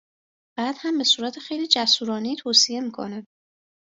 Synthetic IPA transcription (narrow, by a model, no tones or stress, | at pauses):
b̥æːd̪̥hæmbe̞suːɾæt̪ʰexe̞jliːd͡ʒæsuːɾɒːnet̪ʰoːsije̞miːkʰo̞̰næm